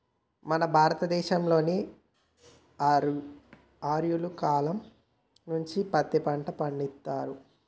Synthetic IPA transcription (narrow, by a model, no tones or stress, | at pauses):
mɐnɐbʱaːɾɐt̪ɐd̪ɛːʃɐmlo̞ːni | aːɾjulukaːlɐm | nuɲt͡ʃipɐt̪ːipɐɳʈɐpɐɳɖit̪ːaːɾu